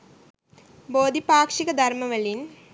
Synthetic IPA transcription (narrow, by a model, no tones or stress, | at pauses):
boːd̪ʱipaːkʂiɣɐd̪ʱɐrmɐʋɐlin